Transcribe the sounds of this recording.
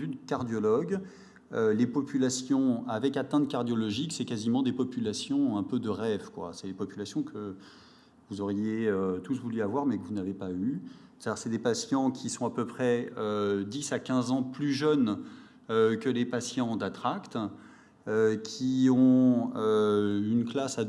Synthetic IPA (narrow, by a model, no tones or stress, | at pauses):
vyd̪əkaʁd̪jɔlɔɡ | ølepɔpylasjɔ̃avɛkat̪ɛ̃t̪kaʁd̪jɔlɔʒiksɛkazimɑ̃d̪epɔpylasjɔ̃ɛ̃pød̪əʁɛvkwa̰sɛlepɔpylasjɔ̃kʰə | vuzɔʁjeøt̪usvulyavwaʁmɛkəvunavepayt̪ad̪iːʁsɛd̪epasjɑ̃kʲʰisɔ̃apøpχɛød̪isakʲɛ̃zɑ̃plyʒœn | økəlepasjɑ̃d̪at̪χakt̪ | økʲʰiɔ̃øynklasa